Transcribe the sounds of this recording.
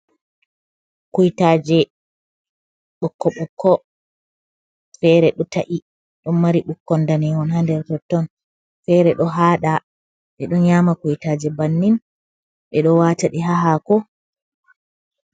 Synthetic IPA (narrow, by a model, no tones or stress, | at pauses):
kujtad͡ʒɛ | ɓɔkːɔɓɔkːɔ | fɛɾɛɗɔtaʔi | ɗɔnmaɾiɓukːɔndanɛŋɡɔnhandɛɾtɔtːɔn | fɛɾɛɗɔɦaːɗa | ɓɛɗɔnɲamakujtaːd͡ʒɛbanːin | ɓɛɗɔwataɗiɦaɦakɔ